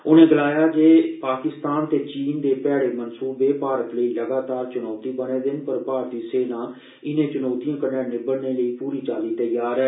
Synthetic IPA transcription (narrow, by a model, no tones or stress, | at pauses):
ʊnẽːɡəlaːjaːd͡ʒeːpaːkɪst̪aːnt̪eːt͡ʃiːnd̪eːpɛːɽeːmənsuːbeːpaːɾət̪ləiːləɡaːt̪aːɾt͡ʃʊnɔːt̪iːbəneːd̪ɪnpəɾpaːɾt̪iːseːnãː | ɪnẽːt͡ʃʊnɔːt̪ijãːkənɛːnẽːbəɽneːləiːpuːɾiːt͡ʃaːliːt̪əjaːɾɛː